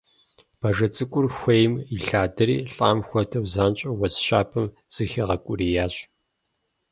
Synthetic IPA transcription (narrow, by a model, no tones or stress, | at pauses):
b̥ɐʒɐt͡sʼɨkʷʼʊrxʷejmiɬaːdɐɾḭːɬʼaːmxʷɐtʰɐwzaːnt͡ʃʼɐwɐsɕaːpʰɨm | z̥ɨxɐʁɐkʷʼʊɾiːjaːɕʼ